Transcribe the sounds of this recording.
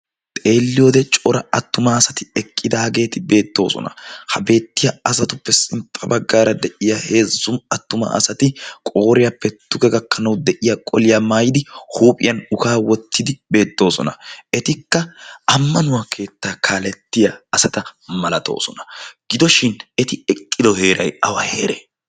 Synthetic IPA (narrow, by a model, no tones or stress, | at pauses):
t̪ʼe̞ːlːɪjoːd̪ɛt͡ʃʼɔɾɐɐt̪ːʊmɐːsɐt̪ɪɛkʼːɪd̪aːɡe̞ːt̪ɪbe̞ːt̪ːo̞̰ːsɔ̰nɐ̰hɐbe̞ːt̪ːɪjɐɐsɐt̪ʊpːɛsɪmpʼɐbɐɡːaːɾɐd̪ɛʔɪjahe̞ːzːʊmɐt̪ːʊmɐ̰ɐ̰sɐt̪ɪkʼo̞ːɾɪjɐpːɛd̪̥ʊɡɛɡɐkːɐnɐwd̪ɛʔɪjɐkʼɔlɪjaːmaːjɪd̪ɪhuːpʼɪ̰jɐnʊkaːwɔt̪ʰːɪd̪ɪbe̞ːt̪ːo̞ːsɔnɐɛt̪ɪkːɐɐmːɐnʊwaːkʰe̞ːt̪ːaːkʰaːlɛt̪ːɪjaːsɐt̪ɐmɐlɐt̪o̞̰ːsɔnɐ̥ɡ̥ɪd̪ɔʃɪnɛt̪ɪɛkʼːɪd̪ɔhe̞ːɾɐjɐwɐheːɾeː